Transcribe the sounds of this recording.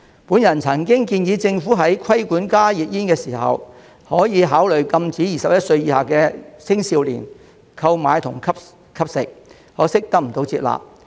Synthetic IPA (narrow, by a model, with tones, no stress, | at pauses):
puː˨˥njɐ˨˩nt͡sʰɐ˨˩ŋkɪ˥ŋkiː˧njiː˨˧t͡sɪ˧ŋfuː˨˥ɦɐ˨˥jkʰɐ˥jkuː˨˥nkaː˥jiː˨t̚jiː˥nkɛː˧siː˨˩hɐ̰˨w | hɔː˨˥jiː˨˧ɦaː˨˥wlɵ˨˩ɥkɐ˧mt͡siː˨˥jiː˨sɐ˨p̚jɐ˥t̚sɵ˧ɥjiː˧haː˨kɛː˧sɪ˥ŋsiː˧wlḭː˨˩n | kʰɐ˧wmaː˨˧jt̪ʰʊ˨˩ŋkʰɐ˥p̚ | kʰɐ˥p̚sɪ˨k̚ | hɔː˨˥sɪ˥k̚t̪ɐ˥k̚m̩˨˩t̪o˨˧wt͡siː˧t̚la̰ː˨p̚